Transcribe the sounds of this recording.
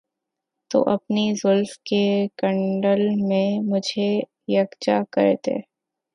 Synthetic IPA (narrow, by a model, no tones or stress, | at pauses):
t̪o̰ːʔɐpnizʊlfkekɐ̃ɳɖəlmẽmʊd͡ʒʱe | jɐɡt͡ʃakɐ̰ɾt̪ḛː